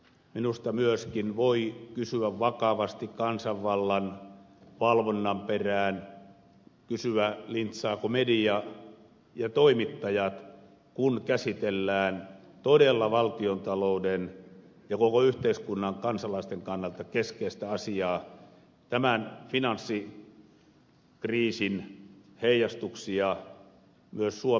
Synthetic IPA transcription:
minust̪ɑmyøskinʋoikysyæʋʋɑkɑʋɑst̪ikkɑnsɑʋːɑlːɑn | ʋɑlʋonːɑmperæːn | kysyælint̪sɑːkomediɑ | jɑt̪oimit̪ːɑjɑt̪ | kunkæsit̪elːæːn | t̪odelːɑʋɑlt̪iont̪ɑlouden | jɑkokoyht̪eiskunːɑŋkɑnsɑlɑist̪eŋkɑnːɑlt̪ɑkeskeist̪æɑsiɑː | t̪æmænfinɑnsːi | kriːsin | heijɑst̪uksiɑ | myøssuo

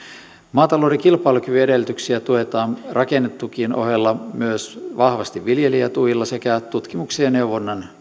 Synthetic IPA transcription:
mɑːt̪ɑloːdekilpɑilukyʋyedelt̪yksiæt̪uet̪ɑːnrʔɑkenːet̪ːukinʔo̰ɦelːɑmyøsʋɑhʋɑst̪iʋʋiljeliæt̪ujilːɑsekæt̪ut̪kimukseɑneuʋonːɑn

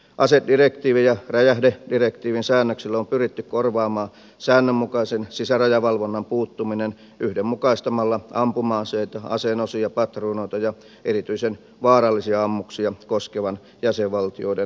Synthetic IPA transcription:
ʔɑsedirekt̪iːʋijjɑræjæhdedirekt̪iːʋinsæːnːøksilːompyrit̪ːykkorʋɑːmɑː | sæːnːømːukɑisensisærɑjɑʋɑlʋonːɑmpuːt̪ːuminen | ʔyhdemmukɑist̪ɑmɑlːɑʔɑmpumɑːnseit̪ɑɑ̰senosiɑpɑt̪ruːnoit̪ɑjɑ | ʔerit̪yisen | ʋɑːrɑlːisiɑɑmːuksiɑkoskeʋɑn | jæseʋʋɑlt̪ioide

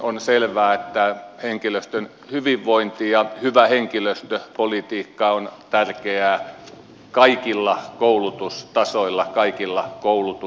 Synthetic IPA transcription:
onselʋæːet̪ːæheŋkiløst̪øn | hyʋiʋʋoint̪ijɑhyʋæheŋkiløst̪øpolit̪iːkːɑont̪ærkeæː | kɑikilːɑkoulut̪ust̪ɑsoilːɑkɑikilːɑkoulut̪u

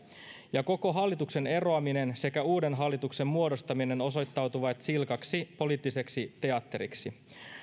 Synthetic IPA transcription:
jɑko̞ko̞ɦɑlːit̪ukse̞ne̞ro̞ɑmine̞nse̞kæuːde̞nɦɑlːit̪ukse̞mːmuo̞do̞st̪ɑmine̞no̞so̞jt̪ːɑwt̪uʋɑt̪silkɑksipo̞liːt̪ːise̞ksit̪e̞ɑt̪ːe̞ɾḭksi

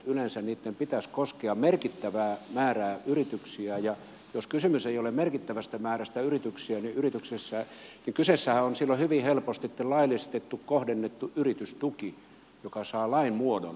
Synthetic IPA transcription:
ylensænniːt̪ːempit̪æskoskeɑmerkit̪ːæʋæːmæːræːyrit̪yksiæjɑ | joskysymyseijolemmerkit̪ːæʋæst̪æmæːræst̪æyrit̪yksiæniʔyrit̪yksesːæniŋkysesːæhæonsilːohyʋihelpost̪it̪ːelɑilist̪et̪ːukkohdenːet̪ːuʔyrit̪yst̪uki | jokɑsɑːlɑinmuodo̰n

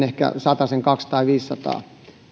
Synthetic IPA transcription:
ehkæ̰sɑt̪ɑseŋkɑkst̪ɑiʋiːssɑt̪ɑ̰ː

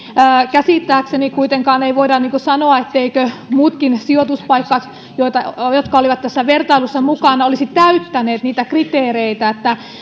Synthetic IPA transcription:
kæsit̪ːæːksenikuit̪eŋkɑːneiʋoidɑnniːŋkusɑnoɑet̪ːeikømuːt̪kinsiot̪uspɑikːɑks | joit̪ɑjot̪kɑoliʋɑt̪t̪æsːæʋert̪ɑilusːɑmukɑnɑolisit̪t̪æyt̪ːæneːt̪niːt̪ækrit̪eːreit̪æet̪ːæ

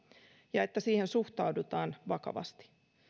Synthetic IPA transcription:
jɑe̞t̪ːæsiːhensuht̪ɑudut̪ɑːnʋɑkɑ̰ʋɑ̰st̪i̥

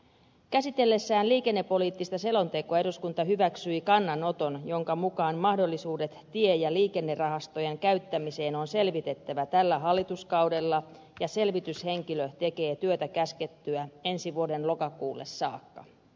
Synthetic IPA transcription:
kæsit̪e̞lːe̞sːæːnliːke̞nːe̞pːo̞liːt̪ːist̪ɑse̞lo̞nt̪e̞koɑeɾuskunt̪ɑɦyʋæksyikɑnːɑno̞t̪o̞njo̞ŋkɑmukɑːnmɑhdo̞lːisuːdet̪tiejɑliːke̞nːerɑɦɑst̪o̞jeŋkæyɥt̪ːæmise̞ːno̞nse̞lʋit̪e̞t̪ːæʋæt̪ælːæɦɑlːit̪uskɑwde̞lːɑ | jɑse̞lʋit̪yshe̞ŋkiløt̪e̞ke̞ːt̪yøt̪ækæske̞t̪ːyæe̞nsiʋuo̞de̞nlo̞kɑkuːlːesːɑːkːɑ

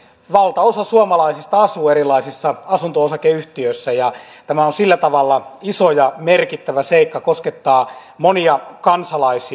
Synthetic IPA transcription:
ʋɑlt̪ɑosɑsuɑmɑlɑisist̪ɑɑsuːerilɑisisːɑɑsunt̪oosɑkeyht̪iøsːæjɑt̪æmæonsilːæt̪ɑʋɑlːɑisojɑmerkit̪ːæʋæseikːɑkosket̪ːɑː | moniɑkɑnsɑlɑisi

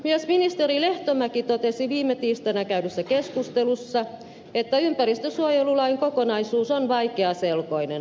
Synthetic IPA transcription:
myøsminist̪erileht̪omækit̪ot̪esiʋiːmːˑet̪iːst̪ɑnækæydøsːækeskust̪elusːɑ | et̪ːæympærist̪øsuojelulɑiŋkokonɑisuːsonʋɑikeɑselkoinen

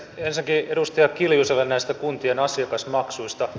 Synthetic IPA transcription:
ensiŋkiedust̪iɑkkiljuselːennæist̪ækunt̪ienɑsiɑkɑsmɑksuist̪ɑ

